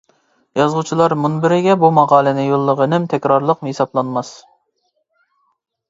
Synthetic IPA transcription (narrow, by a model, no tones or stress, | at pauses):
jɑzʁʊt͡ʃʰilˠɑɾmunbɪɾɪɡʲɛbumɑʁɑːlˠɛnɪjolˠːəʁənɪmt̪ʰɛkʲɾɑɾlˠəqmhesɑblˠɑnmɑs